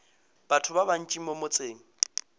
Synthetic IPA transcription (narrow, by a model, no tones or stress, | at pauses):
b̥atʰʊbaban̩t͡ʃʼimomʊt͡sʼeːŋ̩